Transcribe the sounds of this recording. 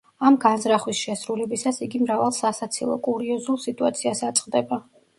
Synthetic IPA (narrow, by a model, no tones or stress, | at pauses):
amɡanzɾaχwisʃɛsɾulɛbisasiɡimɾavalˠsasat̪sʰilˠɔ̰kʼuɾiɔzulˠsit̪ʼua̰t̪sʰiasat̪sʼqʼd̪ɛba